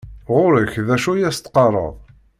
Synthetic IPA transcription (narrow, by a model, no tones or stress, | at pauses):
ʁʊɾəçðæʃujæst̪qɑɾˤə̰ðˤ